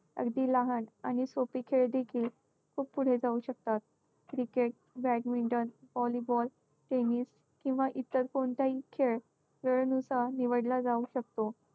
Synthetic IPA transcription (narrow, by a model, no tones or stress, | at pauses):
ə̰ɡd̪iːlaɦənañisopiːkʰeɭd̪ekʰiːl | kʰuːppːuɽ̤ed͡zauɕək̚t̪at̪̚ | kɾikeʈ̚ | bɾɛkmiɳʈənbɔlibɔl | ʈemiːs | kĩw̃ʋaʔit̪əɾkoɳt̪aikʰeɭ | ʋeɭnusaniʋəɽlad͡zauɕək̚t̪o